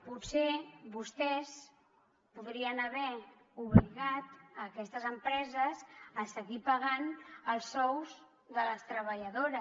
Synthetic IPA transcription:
putseβust̪ɛs | puðɾiənəβɛ | uβliɣat̪əkɛst̪əzəmpɾɛzəzəsəɣipəɣanəlˠsːɔwz | ðələst̪ɾəβəʎəðoɾə

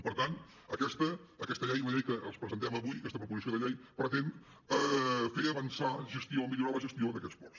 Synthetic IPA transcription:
pəɾt̪an | əkɛst̪əːkɛst̪əʎɛjunəʎɛjkəʔə̰lˠspɾəzənt̪ɛməβujəkɛst̪əpɾupuzisioðəʎɛjpɾət̪en | əfeəβənsaʒəst̪iomiʎuɾɔβəʒəst̪ioðəkɛtspɔrs

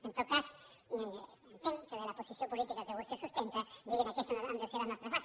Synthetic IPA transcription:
ent̪okas | mt̪eŋkeðelaposiθjompolit̪ikakeβust̪esust̪ent̪ad̪iʝemakest̪anaɣand̪eseɾanast̪ɾazβas

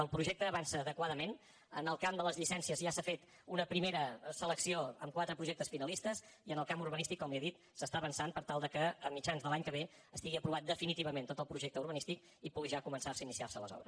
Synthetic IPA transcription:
əlˠpɾuʒek̚t̪əːβansəːðəkwaðəmen | ə̰nəlˠkamd̪ələzʎisɛnsiəzʒasafet̪ | unəpɾimeɾəsələksioə̰mkwat̪ɾəpɾuʒek̚t̪əsfinəlist̪əziənəlˠkamuɾβənist̪ikːɔmliəðit̪ | səst̪aβənsanpəɾt̪alˠd̪əkəəmːit͡ʃanzðəlaɲkəβ̞e | əst̪iɣiəpɾuβat̪̚d̪əfinit̪iβəment̪ot̪əlˠpɾuʒek̚t̪əuɾβ̞ənist̪ik | ipuɣiʒakumənsarsəinisiarsələ̰zɔ̰βɾə̰s

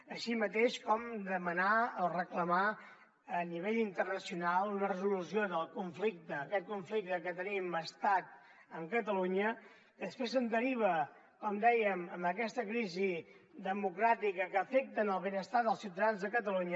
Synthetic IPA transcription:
əʃimət̪eʃkɔmd̪əmənaəlˠrəkləma | əniβ̞eʎint̪ərnəsiunalˠunərəzulusioðəlˠkuɱflik̚t̪əːkɛt̪̚kuɱflik̚t̪əkət̪əniməst̪at̪̚ | əŋkət̪əluɲə | d̪əspɾes̬ənd̪əɾiβ̞ə | kɔmd̪ɛjəməmbəkɛst̪əkɾizi | d̪əmukɾat̪ikəkəːfek̚t̪ənəlˠβenəst̪aðəlˠsiwt̪əðanzðəkət̪əluɲə

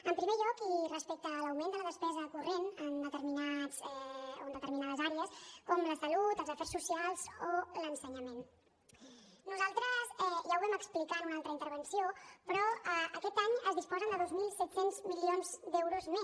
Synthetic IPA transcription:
əmpɾimeʎɔkirəspɛk̚t̪ələwmẽnd̪ələðəspɛzəkurenənd̪ət̪əɾminazɛo̰ənd̪ət̪əɾminað̞əzaɾeəskɔmləsəlut̪əlˠzəfɛrsːusialˠzolənsəɲəmen | nuzalˠt̪ɾəzɛʒawβɛməksplikanunalˠt̪ɾəint̪əɾβ̞ənsiopɾɔəəkɛt̪aɲəzðispɔzənd̪əðozmilˠsɛt̪senzmilionzd̪ɛwɾuzmes

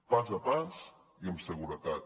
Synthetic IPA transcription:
pazəpaz | iəmsəɣuɾət̪at̪̚

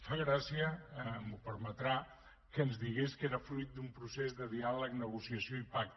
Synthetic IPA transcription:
faɣɾasiəmupəɾmət̪ɾa | kəːnzðiɣ̞eskeɾəfɾujt̪̚d̪umpɾusezðəðialəknəɣ̞usiəsioipak̚t̪

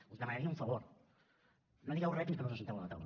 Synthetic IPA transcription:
uzðəmɐnaɾiɐũɱfəβoɾ | nod̪iɣɛwrɛp̪iskənoz̬əs̬nt̪ɛwɐlɐt̪a̰w

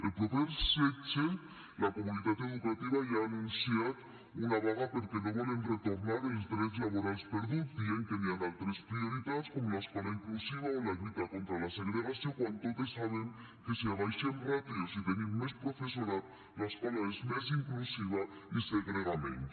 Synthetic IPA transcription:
elpoðeɾset͡ʃe | lakomunit̪at̪eð̞ukat̪iβajaːnũnsjat̪ | unaβaɣapeɾkenoβelenret̪oɾnaɾelzd̪ɾezlaβoɾalspeɾðud̪ieŋkeneanalt̪ɾespɾioɾit̪at̪skomolaeskalaiŋklusiβ̞aolaʎut̪akont̪ɾalaseɣɾeɣ̞asjokwant̪ot̪esːaβ̞eŋ | keseaβajʃenrapiosit̪enĩmmespɾofesoɾat̪ | laskalaezmes̬iŋklusiβaiseɣɾeɣamḛ̃n

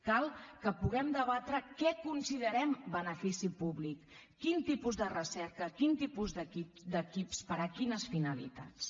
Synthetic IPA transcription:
kalˠkəpuɣɛmd̪əβat̪ɾəkɛkunsiðəɾɛmbənəfisipuβlikː | int̪ipuzðərəsɛɾkəkint̪ipuzðəkid̪əkipspəɾakinəsfinəlḭt̪a̰t͡s

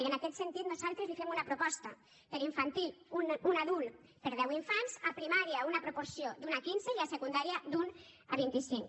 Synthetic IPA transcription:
ənakɛt̪sent̪it̪nuzalˠt̪ɾezlifemunapɾupɔst̪a̰ | pəɾiɱfant̪iʎununaðulˠ | pəɾðɛwiɱfanzapɾimaɾiaunapɾopoɾsiod̪unakinzeiasekund̪aɾiad̪un | aβint̪isiŋ

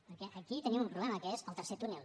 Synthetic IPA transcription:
əkɛʔəkit̪ənimumpɾuβlɛməkəezəlˠt̪əɾset̪unɛlˠ

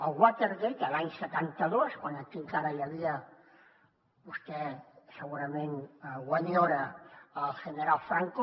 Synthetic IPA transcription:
əlɣwat̪eɾɣet̪əlaɲsət̪ant̪əðoskwanəkiŋkaɾəjəβiə | bust̪ɛsəɣuɾəmẽnɣwaɲoɾəəlˠʒ̥əneɾalˠfɾaŋko

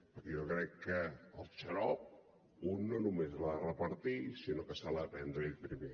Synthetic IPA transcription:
pəɾkejokɾɛkːəəlt͡ʃəɾɔp̚ | unːonumeslarəpəɾt̪isinokəsalapɛnd̪ɾepɾime

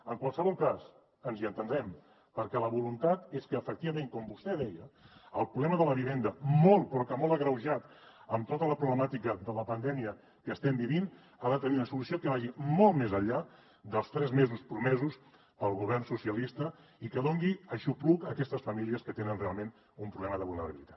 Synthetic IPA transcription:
əŋkwalˠsəβɔlˠkas | ənziənt̪ənɾɛm | pəɾkɛləβulunt̪at̪eskəːfək̚t̪iβəmẽŋkɔmbust̪ɛðɛjəəlˠpɾuβlɛməðələβ̞iβend̪əmɔlˠt̪pɾɔkəmɔlˠəɣɾəwʒat̪ | əmt̪ot̪ələpɾuβləmat̪ikəðələpənd̪ɛmiə | kəːst̪ɛmbiβin | aðət̪əniunəsulusiokəβaʒimɔlˠt̪mezəʎːa | d̪əlˠst̪ɾɛzmezuspɾumɛzus | pəlˠɣuβ̞ɛrnsusiəlist̪əikəðoŋɡiəʃuplukəkɛst̪əsfəmiliəskət̪enənrealˠmen | umpɾuβlɛməðəβulˠnəɾə̰βilit̪ḁt̪

